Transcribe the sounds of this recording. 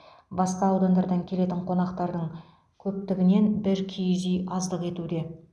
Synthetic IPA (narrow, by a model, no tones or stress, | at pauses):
bɑsqɑːwd̪ond̪ɑɾd̪ɑŋkʲʰe̞le̞t̪ɪɴqʰo̞nɑqt̪ɑɾd̪əɴ | kʲʰɵp̚t̪ɪɡʲɪne̞nbɪɾkʲʰijzijɑzd̪əqe̞t̪ud̪e̞